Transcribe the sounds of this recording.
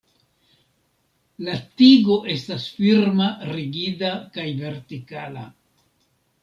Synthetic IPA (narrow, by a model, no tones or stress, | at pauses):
latiɡo̞ʔe̞stasfiɾmaɾiɡidakajve̞ɾtikala̰